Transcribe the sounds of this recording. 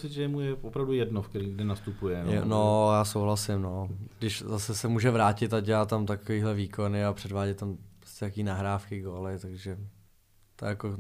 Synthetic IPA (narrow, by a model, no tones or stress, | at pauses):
osɪt̪ʒɛjɛmujɛopɾavdujɛdnofkɛɾiɡdɛnast̪upujɛɛnojaːsowɦlasɪmnoɡdɪʃzasɛsɛmuːʒɛvɾaːcɪt̪aɟɛlaːt̪amt̪akoviːɦlɛviːko̞nɪapr̝̥ɛdvaːɟɛt̪t̪ampɾoscɛt̪akiːnaɦɾaːfkɪɡoːlɪt̪aɡʒɛ | t̪ojako